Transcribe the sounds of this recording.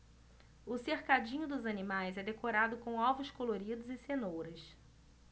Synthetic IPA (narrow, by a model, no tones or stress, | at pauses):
ʊseɾkad͡ʒĩɲʊd̪ʊzɐnimajzɛd̪ekoɾad̪ʊkõw̃ɔvʊskoloɾid̪ʊzɪsenowɾɐs